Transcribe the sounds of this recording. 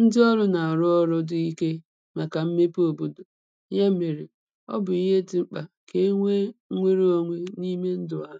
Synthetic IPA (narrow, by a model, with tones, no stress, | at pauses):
n̩˦dɪ˦ɔ˦ɾʊ˦na˨a˨ɾʊ˦ɔ˦ɾʊ˦dʊ˨i˦ke˦ | ma˨ka˨m̩˦me˦po˨bo˦do˨ | ɲa˦me˨ɾe˨ | ɔ̰˦bʊ˨i˦ɦe˦tɪ˨ŋ͡m̩˦k͡pa˨ke˦ŋʷe˦ŋʷe˦ɾe˦o˦ŋʷe˦ni˦me˦n̩˦dʊ˨a˦˨